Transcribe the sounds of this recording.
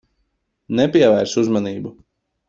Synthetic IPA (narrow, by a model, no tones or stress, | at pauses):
nɛpiɛvæjɾsuzmaniːbu